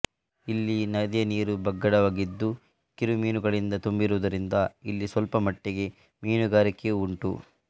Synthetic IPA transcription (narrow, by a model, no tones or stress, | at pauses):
ilːinɐd̪jɐniːɾubɐɡːɐɽɐʋaːɡid̪ːu | kiɾumiːnuɡɐɭind̪ɐt̪umbiɾuʋːd̪ɐɾind̪ɐilːisʋɐlpɐmɐʈːeɡe̞ | miːnuɡaːɾikːeuɳʈṵ